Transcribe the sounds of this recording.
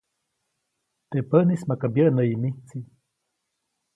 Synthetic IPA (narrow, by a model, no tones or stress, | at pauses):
t̪eʔpəʔnismakabjəʔnəimiht͡si